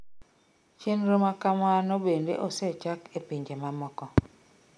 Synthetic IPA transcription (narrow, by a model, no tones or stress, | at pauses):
t͡ʃenɾomakamanobendḛʔoset͡ʃakepiɲd͡ʒemamɔkɔ